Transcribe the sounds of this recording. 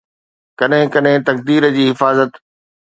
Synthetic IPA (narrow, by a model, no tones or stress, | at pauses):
kɐɗɦɪ̃kɐɗɦɪ̃t̪ɐk̚d̪iːɾəd͡ʑiːɦɪfaːzət̪